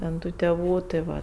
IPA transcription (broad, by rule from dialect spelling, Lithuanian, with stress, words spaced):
tʲɛn ˈtuː tʲɛˈʋuː tɜ ˈʋɐ